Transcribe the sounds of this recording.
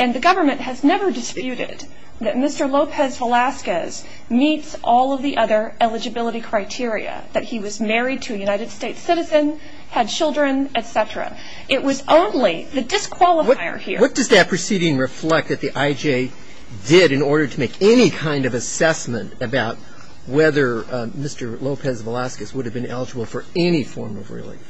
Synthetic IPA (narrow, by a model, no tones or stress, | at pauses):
ɨ̃nðɨɡʌvə˞mɨ̃nʔhɨznɛvə˞dɨspjʉɾɪ̰d̪̚ | ðɨt̚mɪstə˞loʊpʰɛzvəlæskɨz̥ | mitsʔɔlˠʌvðiʔʌðə˞ɛlˠɨd͡ʒɨbɪlˠəɾikʰɹ̥aɪtʰɪɹḭɨ̰ðɨt̚hiwʌzmɛɹid̚tʰɨːjʉnaɪɾɨd̥steɪtsɪɾɨzɨ̃n | ɨd̚t͡ʃʰɪlˠdɹɨ̃nɨtsɛɾɹɨ̰ | ʔɪʔ̚wʌzõʊ̃nliðɨdɨskʰw̥ɑlˠəʌaɪə̰˞hḭɹwʌt̚d̥ʌzðɨt̚pʰɹ̥ɨsiɾɪ̃ŋɹɨflɛk̪̚ðɨt̪̚ðiʔaɪd͡ʒeɪ | dɪɾɨ̃nɔɹɾə˞ɾʰəmeɪkɛnikʰãɪ̃ndʌvɨsɛsmɨ̃ntɨbaʊt̚ | wɛðə˞mɪstə˞loʊpʰɛzvəlæskɨswʊɾɨvbɨ̃nɛ̰lˠəd͡ʒəbl̩ˠfə˞ɛnifɔɹmʌ̰vɹɪ̰lˠḭ̃